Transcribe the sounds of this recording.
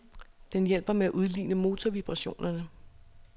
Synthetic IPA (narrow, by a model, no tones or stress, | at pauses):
d̥enjel̰b̥ɐmeæʔuð̞ˠlḭːnəmo̝ːt͡sʰɒʋib̥ʁɑ̈ɕo̝̰ːnɐnə